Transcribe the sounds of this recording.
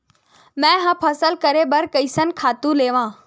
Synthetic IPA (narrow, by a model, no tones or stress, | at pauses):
mɛ̃ːɦãːpʰɐsəlkɐɾebɐɾkɐisənkʰaːt̪ũleːʋãː